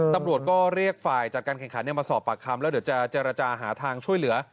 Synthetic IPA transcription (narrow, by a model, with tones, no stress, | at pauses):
t̪a˧mɾu˨˩ət̪̚kɔː˥˩ɾi˥˩ək̚faː˨˩jt͡ɕa˨˩t̚kaː˧nkʰɛ˨˩ŋkʰa˦nːi˥˩maː˧sɔː˨˩pːa˨˩kʰːa˧mlɛ˦˥di˩˦wt͡ɕa˨˩t͡ɕeː˧ɾa˧t͡ɕaː˧ɦaː˩˦t̪ʰaː˧ŋt͡ɕʰu˥˩əjlɯ˩˦ɐ